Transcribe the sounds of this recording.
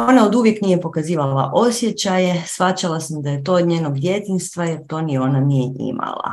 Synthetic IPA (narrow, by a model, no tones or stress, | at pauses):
onao̞d̪uʋje̞knijepo̞kaziːʋala̰ʔo̞sje̞t͡ɕaje̞sfat͡ɕalasamd̪aje̞t̪̬o̞ːod̪ɲeːnoɡd̪je̞t̪inst̪ʋaje̞ɾt̪o̞ːnio̞ːnanijeʔḭma̰lˠa̰